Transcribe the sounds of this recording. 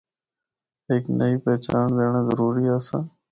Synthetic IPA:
eːknəiːpɛːt͡ʃa̰ːɳd̪eːɳ̃ãːzəɾuːɾiːaːsãː

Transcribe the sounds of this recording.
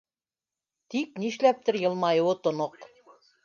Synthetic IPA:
t̪ik̚niʃlæp̚t̪ɘɾjɤ̆lˠmɑjɤwɤt̪ŏnoq

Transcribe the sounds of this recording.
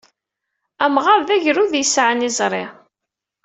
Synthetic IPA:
æmʁɑɾðæʝɾuðjəsʕənizˤɾˤɪ̰

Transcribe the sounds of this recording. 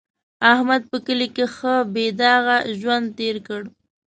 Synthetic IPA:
ahmad̪̚pəkəlikexəbed̪ɑɣaʒwand̪̚t̪eɾkəɽ

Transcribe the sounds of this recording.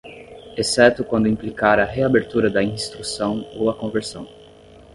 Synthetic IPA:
esɛt̪ʊkwɐ̃nd̪ʊĩplikaɾɐɦeabeɾt̪uɾɐd̪ɐĩst̪ɾusɐ̃w̃owɐkõveɾsɐ̃w̃

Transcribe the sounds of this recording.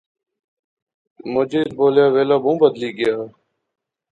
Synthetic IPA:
mod͡ʒiːd̪̚boːljaːʋeːlaːmũːbəd̪liːɡɪjaː

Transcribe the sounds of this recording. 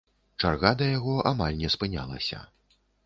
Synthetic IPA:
t͡ʂarɣad̪ɐjaɣɔʔamalʲnʲɛspɨnʲa̰lˠɐ̰sʲɐ̰

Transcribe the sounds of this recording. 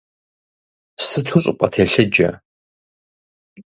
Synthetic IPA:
sɨtʰuɕʼɪpʷʼɐtʰeːɬɨd͡ʒɐ̰

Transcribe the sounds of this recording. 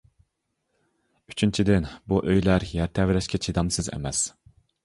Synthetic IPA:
y̥t͡ʃʰynt͡ʃʰid̪ɪnbuʔøjlæɾjæɾt̪ʰɛvɾɛʃkʲɛt͡ʃʰid̪ɑmsɨzɛ̰mɛs

